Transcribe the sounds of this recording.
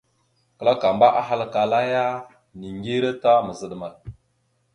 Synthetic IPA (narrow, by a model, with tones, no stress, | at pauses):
kə˨la˦ka˨mba˦ʔa˦ɦa˦˨lka˨la˦ja˦ | ni˨ŋɡi˦ɾa˦ta˦mə˨zə˦ɗma˨l